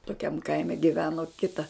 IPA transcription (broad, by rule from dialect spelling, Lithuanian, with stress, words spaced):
toːˈkʲɛm ˈkɐɪmʲɛ ɡʲɪˈʋʲæːnoː ˈkʲɪtɐ